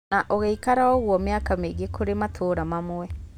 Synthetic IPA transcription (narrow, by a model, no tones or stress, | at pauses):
aʔɔɣeikaɾaɔɣwɔmeakameɡekoɾematʰoːɾamamwɛ